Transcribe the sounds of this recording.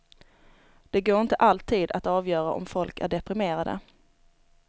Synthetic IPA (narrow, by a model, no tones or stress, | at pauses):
d̪̥ɛɡoːɾɪnt̪əʔalt̪ʰiːd̪at̪ɑːvjœːɾa̰ʔɔ̰mfɔlkæ̰ɖɛpɾɪmeːɾad̪ə̰